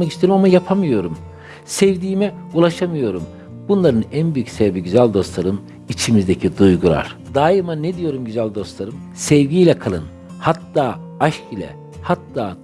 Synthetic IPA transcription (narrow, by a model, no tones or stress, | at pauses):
ait͡ʃt̪ʰeɾimamajapʰamɯjo̞ɾum | sɛvd̪iːmɛulˠaʃamɯjo̞ɾum | bunlˠaɾɯnænbyjycsɛvbiɟyzælʲd̪o̞st̪lˠaɾɯm | it͡ʃʰimizd̪ecʰid̪ujɡulˠa̰ɾ̥d̪aːimaned̪ijo̞ɾumɟyzælʲd̪o̞st̪lˠaɾɯmsɛvɟiːlʲɛkʰalˠɯn | hat̪ːaː | aʃcilʲɛ̰ | hat̪ːaː